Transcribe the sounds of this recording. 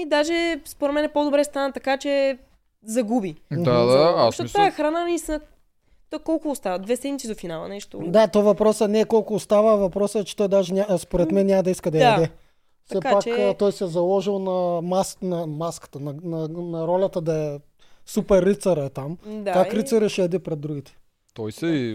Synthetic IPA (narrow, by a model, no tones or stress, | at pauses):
id̪aʒɛspoɾɛt̪mɛnɛpod̪obɾɛst̪anət̪ɐkat͡ʃɛ | zɐɡubiad̪aɐʃtɔt̪aɛxɾananɐist̪inə | t̪ɔjkɔlˠkʊːst̪avɐd̪vɛsɛd̪mʲit̪sid̪ofinalˠɐ̰nɛʃt̪o̰d̪at̪ɔvɐpɾɔsənɛːkɔlˠkʊːst̪avəvɐpɾɔsəɛt͡ʃɛ̥t̪ɔjd̪aʒɛnʲaspoɾɛt̪mɛnʲːamɐd̪ɐiskəd̪ɐjd̪ɛ | fsɛpakt͡ʃkt̪ɔjsɛzɐlˠɔʒilˠnɐmasnɐmaskɐ̥t̪ɐnɐnɐnɐɾɔlʲɐt̪ɐd̪ɐɛ | supɛɾːit̪sɐɾɛt̪amd̪aaɾit̪sɐɾiʃɛːd̪ipɾɛd̪ːɾuɡ̟ʲit̪ɛ̥ | t̪ɔjsɛi